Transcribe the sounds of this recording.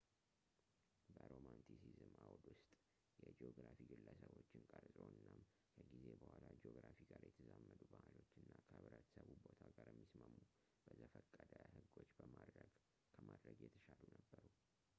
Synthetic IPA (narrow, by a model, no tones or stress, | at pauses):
bəɾomant̪ʰisizɨmawd̪wʊst̪ʼ | jɛd͡ʒeoɡɾafiɡɨlːəsəβo̞t͡ʃːɪnkʼaɾzʼɾoɨnːam | kʰəɡize̞bəhʷalad͡ʒeo̞ɡɾafiɡaɾjɛt̪ʰəzamːəd̪ubəhalo̞t͡ʃːɨnːakʰəɨβɾət̪ʰsəβubot̪ʰaɡaɾjɛmːisməmːu | b̥əzəfəkʼːəd̪əhɨɡo̞t͡ʃːbəəɡ | kʰəmad̪ɾəɡjɛt̪ʰəʃalunəbːəɾu